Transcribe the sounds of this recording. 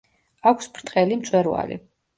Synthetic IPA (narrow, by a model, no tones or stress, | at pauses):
akʷʰspʰɾt̪ʰʼχʼɛlimt̪sʼwɛɾva̰lḭ